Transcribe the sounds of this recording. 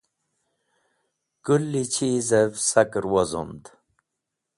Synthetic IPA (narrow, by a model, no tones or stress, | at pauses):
kulːit͡ɕʰizevsakɾwozo̰nd̪